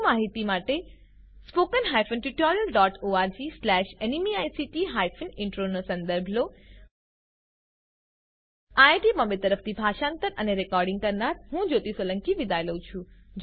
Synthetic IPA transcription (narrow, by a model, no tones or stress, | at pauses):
maɦit̪imaʈe | spokənɦajfʰənʈuʈoɾijəlɖɔʈoaɾd͡ʒislɛʃenimiajsiʈiɦajfʰənɪɳʈɾonosə̃nd̪əɾbʱlo | aeʈimɔmbet̪əɾəft̪ʰibʱaʃãnt̪əɾəneɾekɔɾɖɪ̃ŋɡ̚kəɾnaɾɦũd͡ʒot̪isʋələ̃ŋkiʋɪd̪ajləũt͡ʃʰũd͡ʒ